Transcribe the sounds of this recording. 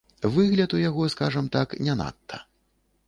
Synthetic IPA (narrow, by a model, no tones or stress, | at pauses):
vɨɣlʲɐt̪ujaɣɔskaʐɐmt̪aknʲɛna̰t̪ːɐ̰